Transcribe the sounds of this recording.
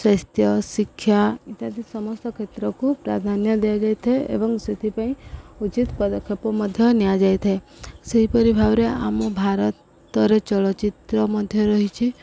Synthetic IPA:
sast̪ʰjɔsikʰːjait̪ad̪isɔmɔst̪ɔkʰet̪ɾɔkupɾa̰d̪ʱanjɔd̪ead͡ʒajt̪ʰeḛbɔŋset̪ʰipaĩut͡ʃit̪pɔd̪ɔkʰːjɔpɔmɔd̪ʱjɔnijad͡ʒajt̪ʰeseɦipɔɾibʱabɾea̰mɔbʱaɾɔt̪ | ɔɾet͡ʃɔɭɔt͡ʃit̪ɾɔmɔd̪ʱjɔɾɔɦit͡ʃʰi

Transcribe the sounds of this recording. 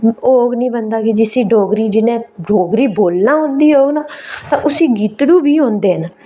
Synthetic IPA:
oːɡnĩːbənd̪aːkɪd͡ʒɪsĩːɖoːɡɾiːd͡ʒɪnẽːɖoːɡɾiːboːlnãːɦõːnd̪iːoːɡnaːt̪ãːʔʊsĩːɡiːt̪ɽuːbʱiːɦõːnd̪eːɦən

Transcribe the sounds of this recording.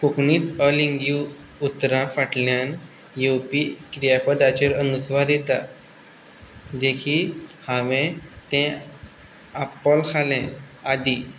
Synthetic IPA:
kokniːt̪əliŋɡju | ut̪ɾãfaʈljãn | jewpikɾijapəd̪at͡ɕeɾənusʋaɾet̪a | d̪ekʰiːlhãʋɛ̃t̪ɛ̃ | apəlkʰalɛ̃ | ad̪i

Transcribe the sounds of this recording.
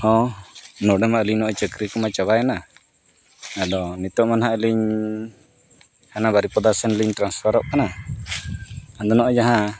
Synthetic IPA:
ɔ̃nɔɖɛmaʔəliɲnɔʔt͡ʃəkɾikɔmat͡ʃaβajana | adɔnit̪ɔʔmanɦaʔəliɲ | hanabaɾipɔd̪asɛnliɲt̪ɾansfʰaɾɔʔkana | ad̪ɔnɔʔɔd͡ʒaɦã

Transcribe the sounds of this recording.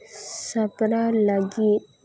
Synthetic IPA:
sapɾalaɡi

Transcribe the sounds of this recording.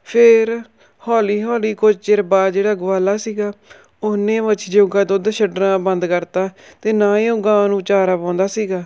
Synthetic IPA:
pʰɪɾ | hɔːliːɦɔːliːkʊd͡ʒt͡ʃɪɾbaːd͡ʒeːɽaːɡʊʋaːlaːsiːɡaː | ʊnẽːʋət͡ʃʰd͡ʒoɡaːd̪od̪ʃʰəɖɾãːbənd̪kəɾt̪aːt̪eːnãːeõɡãːnũːt͡ʃaːɾaːpãːnd̪aːsiːɡaː

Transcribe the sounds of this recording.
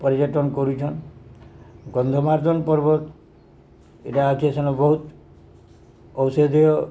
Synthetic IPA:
pɔɾid͡ʒɔʈɔnɔkɔɾut͡ʃʰɔn | ɡɔnd̪ʱɔmaɾd̪ʱɔnpɔɾbɔt̪ | eʈaːkʰiesɔnɔbɔɦut̪ | ɔwsed̪ijɔ

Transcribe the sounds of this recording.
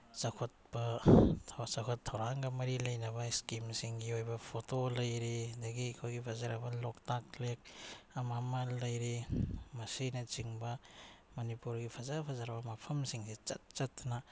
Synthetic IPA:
sɐkʰot̚bɐ | sɐkʰotʰːɐwɾaŋɡɐmɐɾilɐjnɐbɐiskimsiŋɡiojbɐpʰotolɐjɾidɐɡikʰojɡipʰɐzaɾɐbɐloktaklek̚ɐmamɐlɐjɾimɐsinɐt͡ʃiŋbɐ | mɐnipuɾɡipʰɐzapʰɐzaɾɐbɐmɐpʰɐmsiŋsit͡ʃɐ̰t̚t͡ʃɐtːnɐ

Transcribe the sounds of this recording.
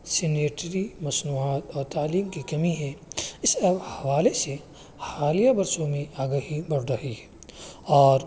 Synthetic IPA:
sɪneːʈɾimɐsnuːaːt̪ɔːɾt̪aːliːmkikɐmiɦɛɪsɐbhɐʋaːlese | xaːlijabɐɾsõmẽʔaːɡaɦibɐɽɾɐɦiɦɛ | ɔːɾ

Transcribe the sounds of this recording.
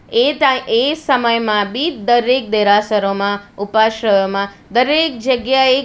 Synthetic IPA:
et̪esəməjmãbid̪əɾek̚d̪eɾasəɾomãupaʃɾəjomã | d̪əɾek̚d͡ʒəɡjae

